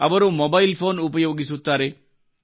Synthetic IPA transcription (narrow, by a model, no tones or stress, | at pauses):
ɐʋɐɾumɔbailfoːnupɐjoːɡisut̪ːaɾe